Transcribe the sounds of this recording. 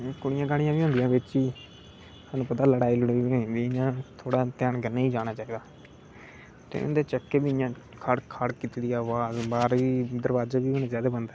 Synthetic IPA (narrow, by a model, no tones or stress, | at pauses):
kʊɽɪjãːkaːɽɪjãːʋiːõːnd̪ɪjãːbɪt͡ʃiː | saːnũːpət̪aːləɽaːiːləɽiːõnd̪iɪjãːt̪ʰoːɽaːt̪ɪjaːnɡənːeːiːd͡ʒaːɽ̃aːt͡ʃaːiːd̪aː | t̪ḛːʊ̰nd̪eːt͡ʃəkːeːbiːɪjãː | kʰaɽkʰaːɽkit̪ːd̪ijaːʋaːzbaːɾiːd̪əɾbaːd͡ʒaːbiːɦoːneːd͡ʒaːd̪eːbənd̪aː